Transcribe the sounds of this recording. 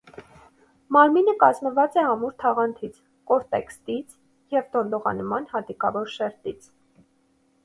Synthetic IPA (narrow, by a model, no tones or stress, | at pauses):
mɑɾminəkɑzməvɑt͡sɛɑmuɾt̪ʰɑʁɑnt̪ʰit͡sʰ | kɔɾt̪ɛ̰kst̪it͡sʰ | jɛvd̪ɔnd̪ɔʁɑ̰nmɑnhɑd̪ikɑvɔɾʃɛɾt̪it͡sʰ